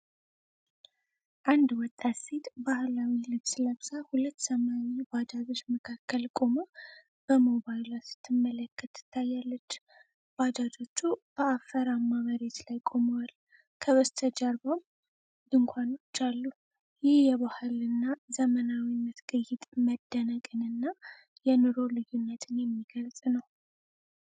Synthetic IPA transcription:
ʔand̪wɔt̪ʼːat̪set̪bahlawilɨβsləβsʼahulət̪ːsəmaɲːebad͡ʒ̪ad͡ʒo̞t͡ʃːməkʰakːəlkʼomo | b̥əmo̞βajlasɨ̥t̪ʰːɨmːələkʰːət̪ːɨ̥t̪ʰːajːalːət͡ʃː | b̥ad̪ad͡ʒo̞t͡ʃːub̥əafəɾamːaβəɾet̪lajkʼo̞mwal | kʰəβəst̪ʰəd͡ʒaɾbom | ɨŋkʷʰanot͡ʃːalːu | jɪhjɛβahɨlɨnːazəmənawinːət̪ɡɨjːɪt̪ʼməd̪ːənəkʼɨnɨnːa | jɛnɨɾo̞lɨjːunːət̪ʰɨnjɛmːiɡ̥əlsʼnəw

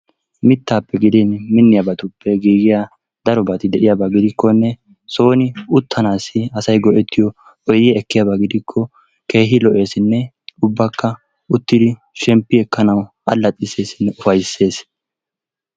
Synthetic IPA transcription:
mɪt̪ːaːpːɛɡɪd̪ɛnmɪnːɪjabɐt̪ʊpːɛɡiːɡɪja | d̪ɐɾɔbɐt̪ɪd̪ɛʔɪjabaɡɪd̪ɪkːɔnːɛ | so̞ːnɪʊt̪ʰːɐnaːsɪɐsɐjɡɔʔɛt̪ːɪjɔ | ʔɔjɪjɛɛkːɪjabaɡɪd̪ɪkʰːɔ | ke̞ːɦɪlɔʔe̞ːsɪnːɛ | ʊbːɐkːɐ | ʊt̪ːɪd̪ɪ | ʃɛmpːɪɛkːɐnɐwʔɐ̰lːɐt̪ʼːɪse̞ːsɪnːɛʔʊfɐjsːe̞ːs

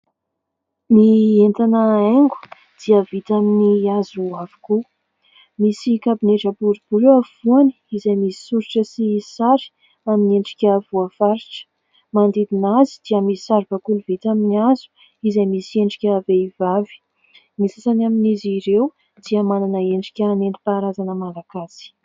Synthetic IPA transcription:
nient̪anəeŋɡu̥ | d̪̥iəvit̪aminiazuavaku | misikabineʈ͡ʂabuɾibuɾewavuani̥izejmisi̥suɾiʈ͡ʂəsisaɾi̥ | amineɳɖ͡ʐi̥kʲəvuafaɾiʈ͡ʂə̥ | mand̪id̪inazid̪̥iəmisi̥saɾvakuluvit̪aminiazu̥ | izejmisieɳɖ͡ʐi̥kʲaveivavi̥ | misasanaminiziɾew | d̪̥iəmananəeɳɖ͡ʐi̥kʲəneɳɖ͡ʐipaɾazanəmalaɡasi̥

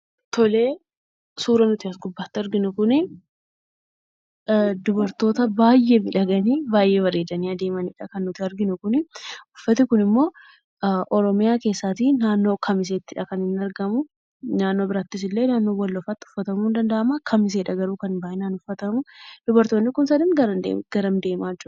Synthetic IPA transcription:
t̪ʰɔleː | suːɾɐnʊt̪ɪɐsɡʊbːaːt̪ːɪɐɾɡɪnʊkʊnɪ | d̪ʊbɐɾt̪o̞ːt̪ɐbaːjːeːmɪᶑɐɡɐniːbaːjʔe̞ːwɐɾeːd̪ɐniːɐd̪e̞ːmɐniᶑɐkɐnːʊt̪ɪɐɾɡɪnʊkʊnɪʊfːɐt̪ɪkʊnɪmːo̞ː | ʔɔɾɔmɪjaːke̞ːsːaːt̪inaːnːo̞ːkʰɐmɪs̬eːt̪ːɪᶑɐkɐnhɪnɐɾɡɐmʊ | naːnːo̞ːbɪɾaːt̪ːɪs̬ɪlːe̞ːnaːnːoːwɐlːɔfɐt̪ːɪʊ̥fːɐt̪ɐmuːnd̪ɐnd̪ɐʔɐmakʰɐmɪs̬eːᶑɐɡɐɾuːkɐnbaːʔɪnanʊfːɐt̪ɐmʊd̪̥ʊbɐɾt̪o̞ːnːɪkʊnsɐd̪ɪnɡɐɾɐ̰ɡ̥ɐɾɐnd̪e̞ːmaːt͡ʃːʊɾ

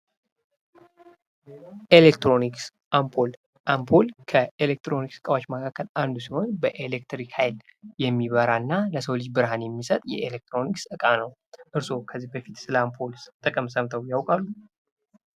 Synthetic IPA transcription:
ʔelekt̪ɾo̞niks | ʔampʰol | ʔampʰolkʰəʔelek̚t̪ɾo̞niksɨkʼawat͡ʃməkʰakʰːəland̪usiho̞nbəʔelek̚t̪ɾikhajljɛmːiβəɾaɨnːaləsəwlid͡ʒbɨɾhanjɛmːisət̪ʼjɛ̰ʔelek̚t̪ʰɾo̞niksɨkʼanəw | ʔɨɾso̞kʰəzːihbəfit̪sɨlampʰolt̪ʼəkʼəmsəmt̪ʰəwjawkʼalːu

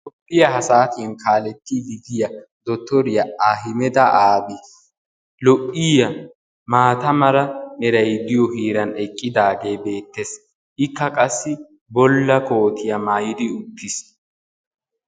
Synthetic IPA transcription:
lɔpʼːɪjɐɦɐsaːt̪ɪnkʰaːlɛt̪ːid̪ɪɡ̪ɪjɐ | d̪ɔt̪ːɔɾɪjɐaɦɪmɛd̪ɐʔaːbis | lɔʔɪjɐ | maːt̪ɐmɐɾɐnɛɾɐjd̪ɪjɔhiːɾɐnɛkʼːɪd̪aːɡe̞ːbe̞ːt̪ːes | ʔɪkʰːɐkʼɐsːɪ | bɔlːɐko̞ːt̪ɪjɐmaːjɪd̪ɪʊt̪ːɪs

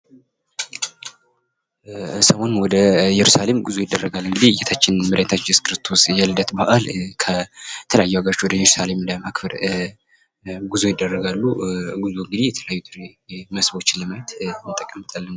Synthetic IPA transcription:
səwo̞nwɔd̪əjɛɾusale̞mɡuzojɪd̪ːərːəɡalːɨŋɡɨd̪ihɨjɛt̪ʰat͡ʃːɪnmɨɾʔet̪ʰat͡ʃːɪskɨɾɨst̪ʰo̞sjɛlɨd̪ət̪baʔalkʰət̪ʰələjajːuaɡəɾot͡ʃːwɔd̪əjɛɾusale̞mləmakfəɾ | ɡuzojɪd̪ːərːəɡalːuɡuzuɨŋɡɨd̪ihjɛt̪ʰələjajːud̪ɨɾeməsbo̞t͡ʃːɪnləməjt̪mɨt̪ʼəkʼːəmːɨt̪ʼalːən

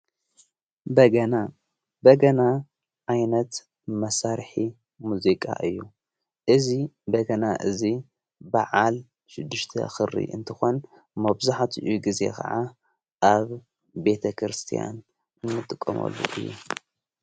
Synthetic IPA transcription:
bɐɡɐna | bɐɡɐna | ʕajnɐt̪ | mɐsaɾħi | muzikʼa̰ʔɨjːu | ʔɨzibɐɡɐnaʔɨzi | baʕal | ʃɪd̪ːɨʃt̪ʰɐ̰xɨɾḭʔɨnt̪ʰɨxo̞n | mɐβzaħt̪ʰiʔuɡize̞̰kʰɐ̰ʕa | ʔaβ | be̞t̪ʰɐkʰɾɨst̪ʰija̰n | ɨmːɨt̪ʼːɨkʼːɐ̰mɐ̰lːṵʔɨjːu

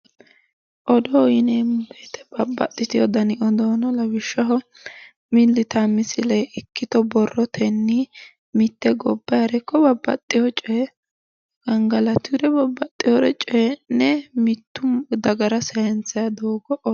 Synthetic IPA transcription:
ʔɔd̪ɔjɪneːmbeːt̪ɛ̥b̥ɐbːɐ̰t̪ʼːɪt̪ɪjɔd̪ɐnɪʔɔd̪oːnɔlɐwɪʃːɐɦɔ | mɪlːɪt̪ɐmɪsɪlɛɪkːɪt̪ɔbɔrːɔt̪ʰɛnːɪ | mɪt̪ːɛɡɔbːɐɐɾɛkːɔbɐbːɐ̰t̪ʼːɪjɔt͡ʃʼɛ | ɡɐŋɡɐlɐt̪ɪɾɛbɐbːɐt̪ʼːɪjɔɾɛt͡ʃʼɛnːɛmɪt̪ːʊd̪ɐɡɐɾɐsɛjɛnt͡sːɐjɐd̪oːɡɔʔɔ

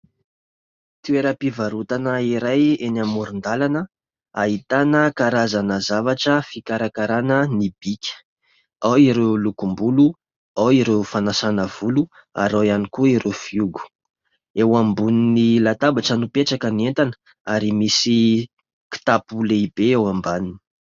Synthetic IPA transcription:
t̪ueɾəpivaɾut̪anəiɾajenamuɾund̪alanə | aɦit̪anəkaɾazanəzavaʈ͡ʂəfikaɾakaɾanənib̥ikʲə̥ | awiɾewlukumbulu | awiɾewfanasanəv̥ulu | a̰ɾoianikuiɾefiuɡu̥ | ewambuninilat̪abaʈ͡ʂənupeʈ͡ʂakənient̪anə̥ | aɾimisi | ki̥t̪apuleib̥eewambanini̥

